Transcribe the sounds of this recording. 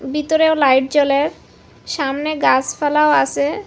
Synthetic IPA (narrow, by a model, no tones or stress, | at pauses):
bit̪oɾeolajʈ̚d͡ʑɔleɾ | ʃamneɡasfalaoasʰe